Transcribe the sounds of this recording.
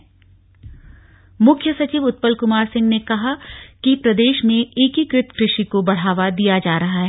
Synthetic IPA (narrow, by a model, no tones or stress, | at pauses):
mʊkʰjəsɐt͡ʃiːʋʊt̪̚pəlkʊmaːɾsɪ̃ŋɡnekɐɦakipɾɐd̪eːʃmẽeːkikɾɪt̪kɾɪʃikobɐɽ̤aːʋad̪ijad͡ʒaːɾɐɦaɦɛ